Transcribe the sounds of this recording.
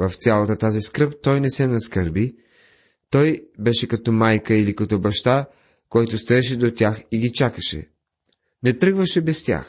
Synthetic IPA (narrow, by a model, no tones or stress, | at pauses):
vɐft̪sʲjalˠɐt̪ət̪aziskɾəp̚t̪ɔjnɛsɛnɐskəɾbi | t̪ɔjbɛʃɛkɐt̪ɔmajkəilikɐt̪ɔbɐʃt̪a | kojt̪ʊst̪oɛʃ̬ɛd̪ot̪ʲjaxiɡʲit͡ʃakəʃɛ̰ | nɛt̪ɾɤɡvəʃɛbɛst̪ʲja̰x